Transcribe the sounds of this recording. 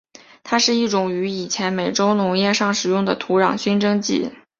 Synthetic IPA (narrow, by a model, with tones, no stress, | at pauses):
t̪ʰa˥ʂɻ̩˥˧i˥˩ʈ͡ʂʊ˨˩ŋy˧˥i˨˩t͡ɕʰjɛ˧˥nme˨˩ɪʈ͡ʂo˥ʊnʊ˧˥ŋjɛ˥˧ʂɑ˥˩ŋʂɻ̩˨˩jʊ˥˩ŋd̪ə˩t̪ʰu˧˥ɻɑ˨˩ŋɕy˥nʈ͡ʂɤ˥ŋt͡ɕḭ˥˩